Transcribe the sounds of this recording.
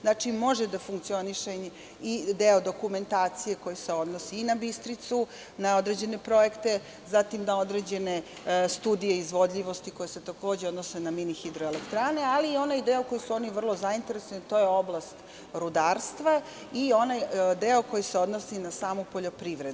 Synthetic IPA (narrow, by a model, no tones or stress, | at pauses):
znat͡ʃimo̞ʒed̪afuŋkt̪sio̞niʃeɲ | id̪eod̪o̞kume̞nt̪aːt̪sije̞ko̞jise̞o̞d̪nosiːnabist̪ɾit̪su | nao̞d̪ɾed͡ʑe̞ne̞pɾo̞je̞kt̪e̞ | zat̪imd̪ao̞d̪ɾed͡ʑe̞ne | st̪uːd̪ijeizʋo̞d̪ʎʲiʋo̞st̪iko̞jese̞t̪ako̞ːd͡ʑeo̞d̪nosenaminixid̪ɾoelekt̪ɾaːne̞aliːo̞najd̪eoko̞jisuo̞niʋr̩lˠo̞zaint̪eɾesonit̪o̞je̞o̞blˠast̪ | ɾud̪aːɾst̪ʋa | io̞najd̪eoko̞jiseo̞d̪nosinasaːmupo̞ʎo̞pɾiʋɾed̪u